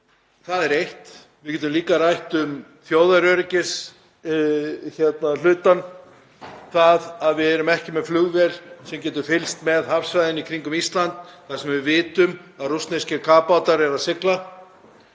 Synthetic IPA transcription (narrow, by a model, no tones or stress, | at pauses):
θaðɛɾejht̪ | vɪðcɛːt̪ʏmliːkarajht̪ʏm | θjoːwðaɾœɾɪcɪs | çɛt̪nal̥ʏːt̪an | θaðaðvɪðɛɾʏmɛhcɪmɛðflʏɣvɛlsɛmcɛːt̪ʏɾ̥fɪlst̪mɛðhafsvajðɪnikʰɾiŋkʏmist̪lant̪θasɛmvɪvɪːt̪ʏmaðrust̪nescɪɾkʰaːpawt̪aɾɛɾaðsɪkla